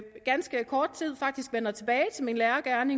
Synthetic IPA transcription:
ɡ̥ænsɡ̥əkʰɒːd̥̚t͡sʰið̰ˠfɑ̈ɡ̥̚d̥isɡ̥ʋenɐt͡sʰe̝b̥ɛːɪt͡sʰe̝lminlæːɐɡ̥æɐne̝

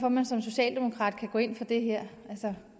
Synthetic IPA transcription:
fɒmænsɒ̽mso̝ɕɛ̰ːld̥e̝mo̝kʰʁɑ̈ːd̥̚kʰæɡ̥ɔ̰ːe̝n̰fɒ̽d̥e̝ɦeɐ̰ʔælsə

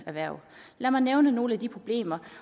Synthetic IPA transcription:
æʋæɐ̰læɐmɑ̈ɪneʊnəno̝ːləæd̥ipʰʁo̝b̥le̝̰ːmɐ

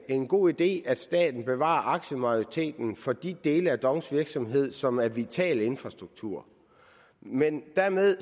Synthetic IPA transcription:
e̝nɡ̥o̝̰ːid̥e̝̰ːæd̥sd̥ɛ̰ːd̥n̩b̥e̝ʋɑ̰̈ːʔɑ̈ɡ̥ɕəmɑ̈oʁit͡sʰe̝̰ːd̥n̩fɒ̽d̥id̥e̝ːləæd̥ɒ̽ŋsʋiɐɡ̥sɒ̽mɦe̝ð̞̰ˠsɒ̽mæɐʋit͡sʰɛ̰ːle̝nfʁɑ̈sd̥ʁuɡ̥̚t͡sʰuɐ̰ | mend̥æɐmeðˠ

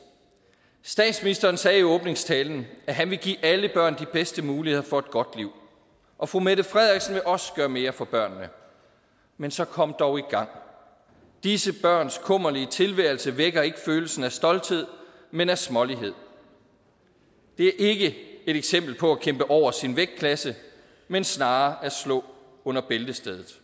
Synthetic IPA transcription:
sd̥ɛ̰ːd̥sminisd̥ɐːnsɛːiɔ̽ːb̥ne̝ŋst͡sʰɛːln̩æɦænʋe̝ɡ̥ḭːʔæləb̥ɶɐ̰nd̥ib̥esd̥əmuːlihe̝ð̰ˠɐfɒ̽e̝d̥̚ɡ̥ɒ̽d̥liʊ̰ | ʔɒ̽fʁumed̥əfʁɛð̰ˠʁiɡ̥sn̩ʋe̝ʔɒ̽sə̥ɡ̥ɶːɐme̝ːɐfɒ̽b̥ɶɐ̰nːə | mensɒ̽kʰɒ̽m̰d̥ɒʊiɡ̥ɑ̈ŋ̰ | d̥isəb̥ɶɐ̰nskʰɔ̽m̰ɐliət͡sʰe̝lʋæɪl̩səʋeɡ̥ɐe̝ɡ̥əføːl̩sn̩æsd̥ɒ̽ld̥he̝ð̞̰ˠ | menæɐsmɒ̽liɦe̝ð̞̰ˠ | d̥e̝æɐʔe̝ɡ̥əe̝ɾ̥eɡ̥sem̰b̥l̩pʰɒ̽ækʰem̰b̥əʔɒʊ̰ɐsinʋeɡ̥̚kʰlæsə | mensnɑ̈ːæɐslɔ̽ː | ɔ̽n̰ɐb̥eld̥əsd̥eð̞ˠð̩ˠ

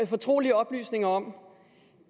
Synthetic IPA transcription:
fɒ̽t͡sʰʁo̝̰ːliəɒ̽b̥ly̰ːsne̝ŋɐɒ̽m̰

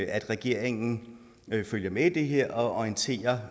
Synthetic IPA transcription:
æd̥ʁɛɡ̥e̝ɐ̰eŋn̩ | føljɐmeid̥e̝ɦe̝ɐ̰ʔɒ̽ɒiənt͡sʰe̝̰ːɐ

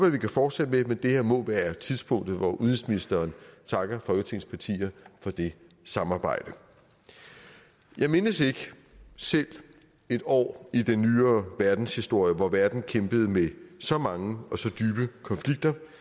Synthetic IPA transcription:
ob̥ʋæʋikʰæfɒːd̥sed̥əmemend̥e̝heɐ̰mɔ̽ʋæːɐt͡sʰiðˠsb̥ʰɔ̽ŋ̰d̥ð̞̩ˠʋɒʔuðˠinsminisd̥ɐːnt͡sʰɑ̈ɡ̥ɐfɒ̽lɡ̥ət͡sʰe̝ŋ̰nspʰɑ̈t͡sʰḭːɐfɒ̽d̥e̝ | sɑ̈mɑ̈ːb̥ɑ̈ɪ̰d̥ə | jʔɑ̈ɪme̝nəse̝ɡ̥ə | sel̰ | e̝d̥ɒ̰ːid̥enːyːɐːʋæɐd̥n̩shisd̥o̝ɐ̰jəʋɒʋæɐd̥n̩kʰemb̥əð̞̩ˠmesɒ̽mɑ̈ŋəɒ̽sɒ̽d̥yːb̥əkʰɒ̽nfliɡ̥̚d̥ɐ

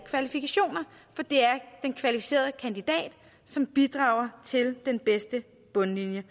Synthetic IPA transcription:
kʰʋælifikʰæɕo̝̰ːnɐ | fɒ̽d̥e̝æɐd̥enkʰʋælifi̥se̝̰ːɐð̞ˠəkʰænd̥id̥ɛ̰ːd̥ | sɒ̽mb̥id̥ʁɑ̈ʊɐt͡sʰe̝ld̥enb̥esd̥ə | b̥ɔ̽nlinjə

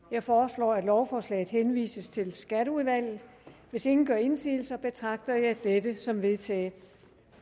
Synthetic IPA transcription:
jɑ̈ɪfɒːslɒ̰ːæd̥lɒʊfɒːslɛ̰ːɪð̩ˠhenʋḭːsəst͡sʰe̝lsɡ̥æɾəuðˠʋæl̰ð̩ˠ | ʋe̝se̝ŋn̩ɡ̥ɶɐe̝nsḭːl̩sɐb̥e̝t͡sʰʁɑ̈ɡ̥̚d̥ɐjɑ̈ɪd̥edəsɒ̽mʋe̝ðˠt͡sʰɛ̰ː

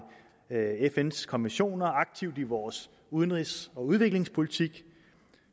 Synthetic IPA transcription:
efenskʰɒ̽nʋenɕo̝̰ːnɐɑ̈ɡ̥̚t͡sʰiʊd̥iʋɒːs | uð̞ˠənʁisɒ̽uð̞ˠʋe̝ɡ̥le̝ŋspʰo̝lit͡sʰiɡ̥

